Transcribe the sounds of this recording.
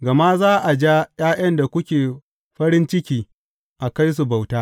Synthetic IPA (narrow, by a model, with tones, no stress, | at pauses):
ɡɐ˨ma˦zaː˦ʔa˨d͡ʒa˦j̰aː˦j̰ɐ˦nda˨kʷʊ˦kʲeː˨ | ɸɐ˦ɾɪ˦nt͡ʃɪ˦kʲiː˨ | ʔa˨ka˦js̬u˨ba˨wtaː˦